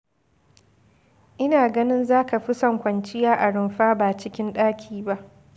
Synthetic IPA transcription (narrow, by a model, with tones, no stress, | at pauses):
ʔɪ˦naː˨ɡɐ˦nɪ˦nzaː˦ka˨ɸi˦sɐ˨ŋkʷɐ˨nt͡ʃɪ˦jaː˦ʔa˨ɽɪ˨mɸaː˦baː˨t͡ʃɪ˦kʲɪ˦nɗaː˦kʲʰiː˨ba˦ʔ